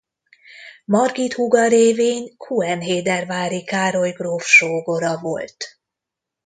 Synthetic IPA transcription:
mɒrɡit̪huɡɒɾeːveːɲkʰuɛnɦeːd̪ɛrvaːɾikaːɾo̞jɡroːfʃoːɡoɾɒvo̞̰lt̪

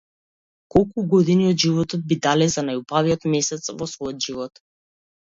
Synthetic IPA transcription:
kɔlˠkuɡɔd̪iniɔd̪ʒivɔt̪ɔd̪̚bid̪alɛzanajubaviɔt̪mɛsɛt̪svɔsvɔjɔd̪ʒivɔt̪

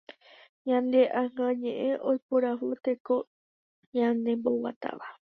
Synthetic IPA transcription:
ɲãnd̪eʔãŋãɲẽʔẽʔojpuɾaʋut̪eko | ɲãnd̪e̞mbowa̰t̪a̰ʋa

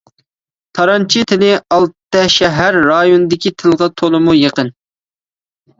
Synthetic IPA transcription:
t̪ʰɑɾɑnt͡ʃʰit̪ʰɪlɪɑlˠt̪t̪ːɛʃɛɦæɾːɑjonɨd̪ɪkʲit̪ʰɪlˠʁɑt̪ʰolˠɨmujeqən

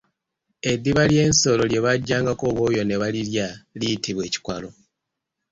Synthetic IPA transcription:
e̞dːiβalje̞ːnso̞lo̞lje̞βaɟːaːŋɡakoβo̞ːjo̞ne̞βaliljaliitʰiβwe̞ːci̥kwalo̞

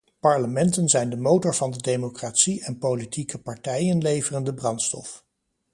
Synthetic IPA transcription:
pɑɹləmɛntənzɛjndəmowtʊɹv̥ɑndədemokratsiʔɛnpowlitʰikəpɑɹtɛjənlejvərəndəbrɑntstɔ̰f

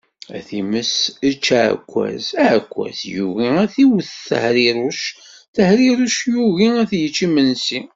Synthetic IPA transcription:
æ̰θiməsət͡ʃːʕə̰kʷːæ̰zæʕkʷːæ̰zjuɣiæθiwəθθə̰hɾiɾuʃ | θəhɾiɾˤuʃjuɣiæθjət͡ʃːimənsi

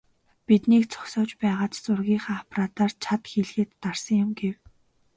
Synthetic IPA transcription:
pit̪niːkt͡sʰɔ̥ksɔːt͡ɕpæːʁaːt͡ɕt͡sʊrɣʲiːχaːapʰraːt̪aːrt͡ɕʰat̪xeɮxĕːt̪ːar̥sə̆ŋjʊmɡew

